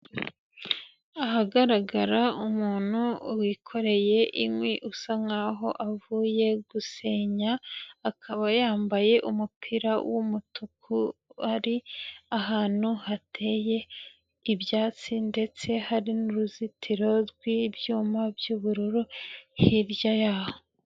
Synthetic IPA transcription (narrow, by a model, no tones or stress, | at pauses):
aɦaɡaɾaɡaɾaumuːn̥huwiːkʰo̞ɾe̞je̞ʔimwiʔusaŋaɦo̞̰ʔavuːje̞ɡuse̞ːɲaːkʰaβajaːmbaje̞ʔumupʰiɾawʔumutʰukʰuaɾiahaːn̥huhatʰe̞ːje̞ | ibjaːt͡sinde̞t͡se̞haɾinuɾuzitʰiɾo̞ɾɡwibjuːmabjuːβuɾuɾuhiɾjajaːho